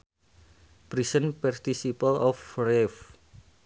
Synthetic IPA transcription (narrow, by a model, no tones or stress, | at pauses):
b̥ɾisənpɛrt̪isipəlɔfrɛf